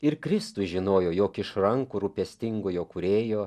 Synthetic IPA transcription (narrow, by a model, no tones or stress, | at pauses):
ɪɾkɾʲɪst̪ʊsʒʲɪnoːjoːjoːkʲɪʃɾɐŋkuɾʊpʲɛsʲt̪ʲɪŋɡoːjoːkʊɾʲeːjoː